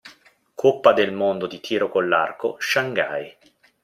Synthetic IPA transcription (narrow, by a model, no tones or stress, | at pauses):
kʰopːad̪elmond̪od̪it̪ʰiːɾokolːa̰rko̰ʃaŋɡa̰j